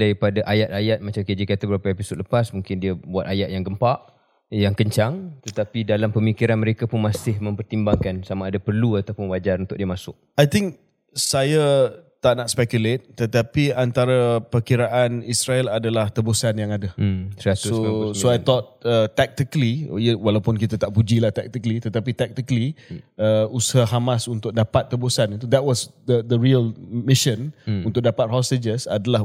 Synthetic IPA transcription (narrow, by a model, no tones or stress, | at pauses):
daɾipadaʔajat̪̚ajat̪̚mat͡ʃamked͡ʒikat̪abəbɾapaepisot̪̚ləpasmuŋkɪndiabuat̪̚ajat̪̚jaŋɡəmpaʔ | jaŋkəɲt͡ʃaŋt̪ət̪apidalampəmikiɾanməɾekapʊnmasɪhmə̃mpərt̪imbaŋkansamaːdapərluat̪awpʊnwad͡ʒaɾunt̪ʊk̚diəmasʊk̚ajt̪ɪŋk̚ | sajat̪aʔnaʔspɛkjulet̪̚t̪ət̪apiant̪aɾapərkiɾaʔanisɾaɛladalaht̪əbosanjaŋadaasosoajt̪ɔt̪̚ət̪ːɛk̚t̪ikəlḭiəwalapʊnkit̪at̪aʔpud͡ʒilaht̪ɛk̚t̪ikəlit̪ət̪apit̪ɛk̚t̪ikəliəushaɦamasunt̪ʊk̚dapat̪ːəbosanit̪̬ud̪ɛt̚wɔsd̪əd̪əɹiəlmiʃə̃nunt̪ʊk̚dapat̪̚ɦɔsted͡ʒəsa̰dala